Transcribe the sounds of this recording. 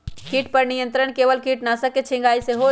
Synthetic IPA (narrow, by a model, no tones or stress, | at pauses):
kiːʈpəɾnijə̃nt̪ɾəɳ̃keːʋəlkiːʈnasɐket͡ʃʰɪ̃ŋɡaːiseɦo